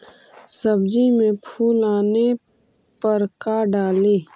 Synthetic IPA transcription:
səbd͡ʒimẽpʰuːlaːne | pəɾkaɖaːlẽː

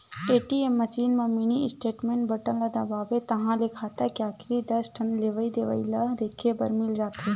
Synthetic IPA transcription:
eːʈiemːɐsiːnmẽminiɪsʈeːʈmẽːɳʈbəʈənlad̪ɐbaːʋet̪ɐɦãlekʰaːt̪akjaːkɾid̪ɐsʈʰɐnleːʋəid̪eːʋə̰ilɐɦd̪eːkʰebɐ̰ɾmɪld͡ʒaːt̪e

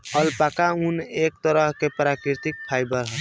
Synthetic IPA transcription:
əlpakaunek̚t̪əɾəɦkepɾakɾiɾt̪ik̚pʰajbəɾɦə

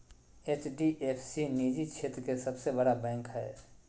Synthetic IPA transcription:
eːt͡ʃɖiʔeːpʰsiniːd͡ʒit͡ʃʰeːt̪ɾkesɐbsebɐɽabɛ̃ːŋkɦɛː

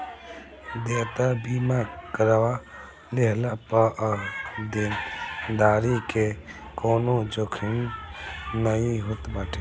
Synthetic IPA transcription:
d̪eːt̪abiːmakəɾʋa | leɦlapəʔd̪ind̪aːɾikekoːnod͡ʒokʰɪn | nəĩɦut̪baːʈʰe

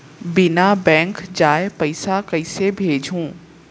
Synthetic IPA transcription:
bɪnabɛ̃ːŋkd͡ʒaːepɐɪsakɐɪsebʱeːd͡ʒʱũː

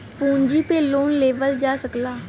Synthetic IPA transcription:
pũːɲd͡ʒiːpeːlːoːnleːʋəld͡ʒaːsəklaː

